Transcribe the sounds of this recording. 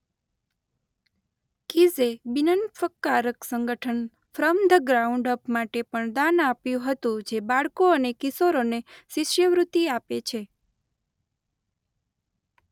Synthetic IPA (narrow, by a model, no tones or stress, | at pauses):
kizebinənfəkːaɾəksəŋɡəʈʰən | fɾəmd̪ʱəɡɾauɳɖəpmaʈepəɳd̪anapjũɦət̪ũd͡ʒebaɭkoənekisoɾoneʃɪʃjəʋɾut̪iapet͡ʃʰe